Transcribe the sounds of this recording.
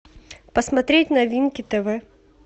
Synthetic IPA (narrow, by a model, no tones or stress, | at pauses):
pəsmɐt̪ɾʲetʲnɐvʲinkʲɪt̪ɛvɛ